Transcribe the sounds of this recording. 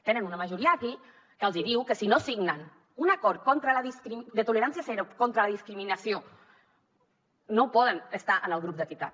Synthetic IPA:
t̪enənunəmaʒuɾiaaki | kəlˠziðiwkəsinosiɡnən | unakɔɾ̚kɔnt̪ɾəlaðiskɾid̪ət̪uleɾansiasɛɾokɔnt̪ɾəlaðiskɾiminasio | nopɔðənəst̪aʔənəlˠɣɾup̚d̪ək̪it̪a̰t̪

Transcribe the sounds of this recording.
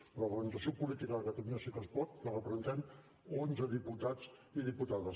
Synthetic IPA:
ləurɣənizəsiopulit̪ikəðəkət̪əluɲəsikəspɔɾt̪lərəpɾəzənt̪ɛm | onzəðiput̪ad͡ziðiput̪aðəs

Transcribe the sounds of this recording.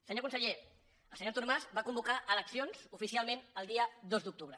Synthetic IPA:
səɲoɾkunsəʎe | əlˠsəɲot̪uɾmazbakumbukaʔələksionz̥ufisialˠmẽnəlˠd̪iəd̪ozd̪uk̚t̪uβɾə

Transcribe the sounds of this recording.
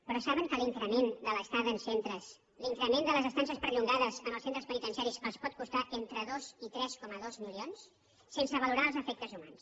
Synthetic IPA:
pɾɔsaβəŋkəliŋkɾəmend̪ələst̪aðənsent̪ɾəs | liŋkɾəmend̪ələzəst̪ans̬iəspəɾʎuŋɡaðəzəməlˠsent̪ɾəspənit̪ənsjaɾisəspɔt̪̚kust̪aʔent̪ɾəðozit̪ɾɛskɔməðozmilions | sensəβəluɾaəlˠzəfɛk̚t̪əzumans

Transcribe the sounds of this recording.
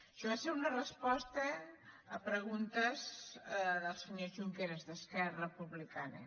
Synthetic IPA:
ʃoβaseɾunərəspɔst̪əː | pɾəɣ̞unt̪əz | ðəlˠsəɲoʒuŋkeɾezðəskɛrəpuβlikanə̰

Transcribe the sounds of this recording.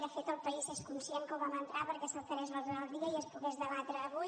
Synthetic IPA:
ðəfet̪əlˠpəizeskunsjeŋkəlwβamənt̪ɾapəɾkɛsəlˠt̪əɾɛzβəzðəəlˠðiəiəspuɣɛzðəβ̞at̪ɾəːβu

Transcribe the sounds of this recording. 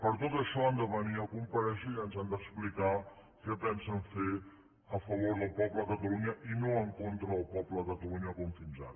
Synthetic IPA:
pəɾt̪ot̪əʃɔand̪əβəniəkumpəɾɛʃuiənzand̪əksplika | kɛpɛnsəɱfe | əfəβ̞oɾðəlˠpɔbləkət̪əluɲəʔinoəŋkont̪ɾəːlˠpɔbləkət̪əluɲəkuɱfinza̰t̪

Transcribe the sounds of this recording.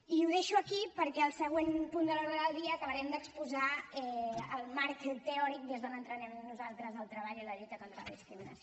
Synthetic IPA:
iuðeʃuəkipəɾkɛəlˠsəɣ̞wenpund̪əlɔɾðəðəlˠd̪iəːkəβəɾɛmd̪əkspuzaɛəlˠmaɾkt̪əɔɾik̚d̪ezðonənt̪ɾənɛmnuzalˠt̪ɾəzəlˠt̪ɾəβaʎiləʎut̪əkont̪ɾələ̰ðiskɾiminə̰s

